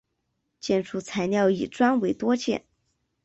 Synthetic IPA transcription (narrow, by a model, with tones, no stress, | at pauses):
t͡ɕjɛ˥˧nʈ͡ʂʰu˥˩t͡sʰa˧˥ɪnjɑ˥˩ʊḭ˨˩ʈ͡ʂwa˥nwe˧˥ɪt̪wɔ˥t͡ɕjɛ̰˥˧˩n